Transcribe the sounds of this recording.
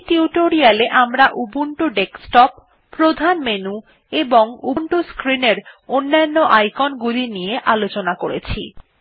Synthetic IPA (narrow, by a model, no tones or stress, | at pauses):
ʈiuʈoɾialeʔamɾaʔubuɳʈuɖeksʈɔpː | ɾod̪ʱanmenu | eboŋuɳʈoskɾineɾonːanːoʔajkonɡulinijeʔalot͡ɕonakoɾet͡ɕʰḭ